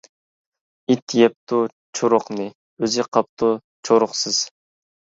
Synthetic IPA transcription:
it̪ʰjɛp̚t̪ʰu | t͡ʃʰoɾʊqnɨ | øzɪqʰɑp̚t̪ʰu | t͡ʃʰoɾʊχsɨz̥

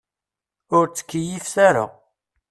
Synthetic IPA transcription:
ʊɾt͡sːə̥kːijifsæɾa̰

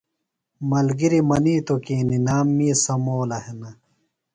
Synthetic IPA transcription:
mɐlɡiɾimɐniːt̪okiːninaːmːisɐmoːlɐhenɐ

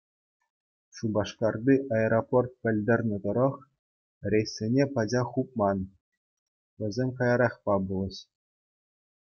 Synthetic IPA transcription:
ɕubɑʂkɑrd̪iʔɑeɾoport̪̚pʲɘ̆lʲd̪ʲĕrʲnʲɘ̆d̪ɤ̆ɾɤ̆χ | rʲejsʲːenʲepɑd͡ʑɑχup̚mɑn | ʋʲɘ̆zʲemʲkɑjɑɾɑχpɑbulˠɤ̆ɕ

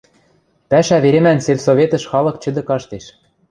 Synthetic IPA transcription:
pæʃæβeɾemænselsovet̪ə̆ʃxɑlɤ̆k̚t͡ɕɘ̆d̪ɘ̆kɑʃt̪eʃ

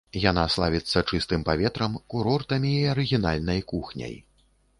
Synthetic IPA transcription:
jan̪aslˠavʲit̪sːɐt͡ʂɨst̪ɨmpavʲɛt̪ɾɐmkuɾɔrt̪ɐmʲiːɐɾɨɣʲinalʲnɐjkuxnʲɐ̰j

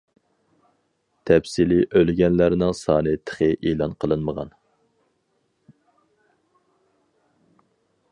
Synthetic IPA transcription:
t̪ʰɛpsiliʔølɡʲɛnlæɾnɪŋsɑːnɨt̪ʰə̥χəʔelˠɑnqʰəlˠɨnməʁɑ̰n

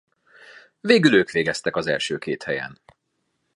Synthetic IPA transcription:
veːɡyløːkʋeːɡɛst̪ɛkɒzɛ̰lʃøːkeːt̪hɛjɛ̰n

